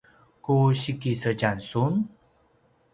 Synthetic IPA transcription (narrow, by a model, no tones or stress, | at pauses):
kuɕikisəd͡ʒansun